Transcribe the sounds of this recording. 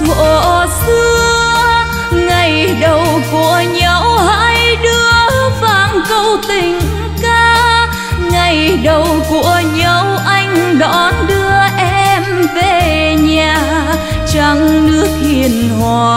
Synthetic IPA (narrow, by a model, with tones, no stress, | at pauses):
vo̰˧˩sɨ˧ə | ŋa˨˩jɗə˨˩wku˧˩əɲə˧˦whaː˧˥jɗɨ˧əvaː˧˨˩nkə˧wt̪ï˨˩ŋ̟ | kaː˧ | ŋa˨˩jɗə˨˩wku˧˩əɲə˧˦wʔa˧jŋ̟ɗɔ˨˩nɗɨ˧əʔɛ˧ɛ˧mve˨˩ɲaː˨˩ | t͡ɕa˧˩ŋnɨ˦˥ək̚hi˨˧˩ən | hwa˨˩